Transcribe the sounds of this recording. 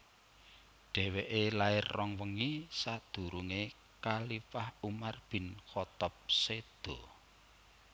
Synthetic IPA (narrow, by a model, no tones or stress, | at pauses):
ɖ̥ɛ̤weʔelaɪrːɔŋwəŋisad̪̥ṳɾuŋe | kalifahumarb̥ɪ̤nxɔt̪ɔp̚sed̪̥ɔ̤